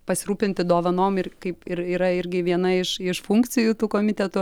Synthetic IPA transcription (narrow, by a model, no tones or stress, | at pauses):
pɐsʲɪɾuːpʲɪnʲt̪ʲɪd̪oːʋɐnoːmɪrkɐɪpɪɾiːɾɐɪɾʲɡʲɪʋʲiɛnɐɪʃɪʃfuŋkt͡s̪ʲɪjuːt̪uːkoːmʲɪt̪ʲɛt̪ʊ